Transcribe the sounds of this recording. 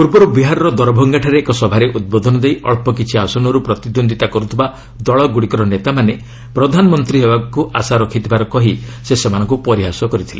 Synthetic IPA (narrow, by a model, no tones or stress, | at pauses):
puɾbɔɾubiɦaɾɔɾɔd̪ɔɾɔbʱɔŋɡaʈʰaɾeːkɔsɔbʱaɾeʔud̪̚bɔd̪ʱɔnɔd̪ejʔɔɭpɔk̬it͡ʃʰiasɔnɔɾupɾɔt̪id̪ond̪ʱit̪akɔɾut̪ʰiba | d̪ɔɭɔɡuɽikɔɾɔnet̪amane | pɾɔd̪ʱanɔmɔnt̪ɾiɦebakuʔasaɾɔkʰit̪ʰibaɾɔkɔɦisesemanɔ̃ŋkupɔɾiɦasɔkɔɾit̪ʰile